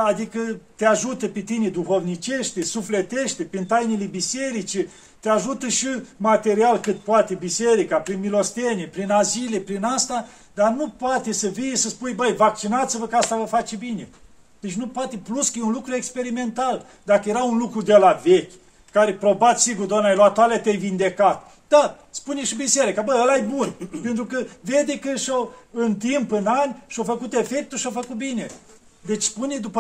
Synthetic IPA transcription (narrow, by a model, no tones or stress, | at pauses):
ad̪ikət̪eaʒut̪əpet̪ined̪uxo̞vnit͡ʃeʃt̪esuflet̪eʃt̪epɾint̪ajnelebise̞ɾit͡ʃe | t̪eaʒut̪əʃimat̪e̞ɾialkɨt̪poat̪e̞biseɾikapɾinmilo̞st̪enepɾinazile̞pɾinast̪a | d̪arnupoat̪e̞səvijesəspujbəjvak̚t͡ʃinat̪sivəkəast̪avəfat͡ʃebine | d̪et͡ʃnupoat̪e̞pluskəjeunlukɾuekspe̞ɾime̞nt̪al | d̪akəje̞ɾaunlukɾud̪elavekʲ | kaɾepɾo̞bat̪siɡurd̪oamnajloat̪ːaleat̪eajvind̪e̞kat̪ | d̪̥a | spuneʃibiseɾikabəəlajbunpe̞nt̪ɾukəved̪ekɨʃowɨnt̪impɨnanʲʃiofəkut̪e̞fe̞k̚t̪uʃiofəkut̪̚bine̞ | d̪e̞t͡ʃʲspuned̪upə